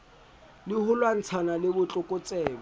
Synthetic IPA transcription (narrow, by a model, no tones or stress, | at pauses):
lɪhʊlwan̩t͡sʰanalɪbʊt͡ɬʼʊkʼʊt͡sʼɛːbɔ